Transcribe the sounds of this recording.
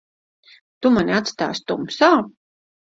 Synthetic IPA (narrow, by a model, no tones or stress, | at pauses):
t̪umaniat̪st̪a̰ːst̪umsaw